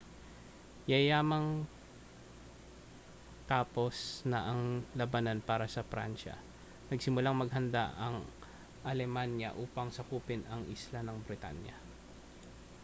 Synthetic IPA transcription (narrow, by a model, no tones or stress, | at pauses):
jɐjaːmɐŋ | t̪aːpo̞snɐʔɐŋlɐbananpaːɾɐsɐfɾa̰nʃɐ̰ | nɐɡsɪmʊlaŋmɐɡ̚ɦɐnd̪a̰ʔɐŋ | ʔɐlɛmanjɐ̰ʔuːpɐŋsɐkuːpɪnɐŋʔɪslanɐŋbɾɪt̪a̰njɐ̰